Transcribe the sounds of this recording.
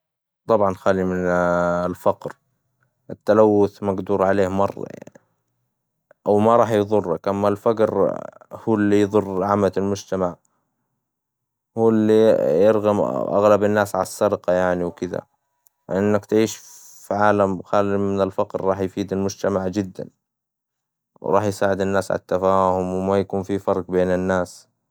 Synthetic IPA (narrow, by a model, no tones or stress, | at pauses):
t̪ˤɑbʕɑnxaːlimɪnlfaqɾ | ɪt̪ːalawːʊθmaɡd̪uːɾˤʕaleːhmɑrˤːɑ̰ | ʔawmaɾˤɑːħjðˤʊrːakʔamːalfaɡɾhuːlːijðˤʊrːʕamatɪlmʊd͡ʒt̪amaʕ | huːlːijɪɾɣɑmʔa̰ɣlabanːaːsʕa̰lasˤːɑdqɑjaʕniwkɪd̪a̰ | ʔɪnːakt̪ʕiːʃ | fiʕaːlamxaːlːimɪnɪlfɑqɾːˤɑːħjfiːd̪almʊd͡ʒt̪amaʕd͡ʒɪd̪ːa̰n | wɾˤɑ̰ːħjsaːʕɪd̪ɪnːaːsʕa̰lat̪ːafaːhʊmwmajakuːnfifɑɾˤqbeːnɪnːaːs